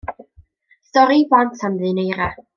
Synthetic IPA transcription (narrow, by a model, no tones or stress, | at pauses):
stɔɾivwantʰanðɨnejɾa